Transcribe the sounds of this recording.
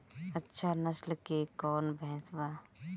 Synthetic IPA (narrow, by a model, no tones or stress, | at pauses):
ɐtːʃʰanɐʃlkekɔːnbɛɦɛ̃swaː